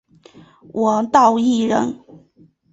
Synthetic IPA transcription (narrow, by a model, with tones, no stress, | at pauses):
wʔɔ˨˩t̪ɑ˥˧ʊi˥˩ɻə˧˥n